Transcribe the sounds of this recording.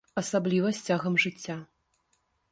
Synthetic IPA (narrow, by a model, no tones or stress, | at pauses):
ɐsablʲivɐsʲt͡sʲaɣɐmʐɨt͡sʲːa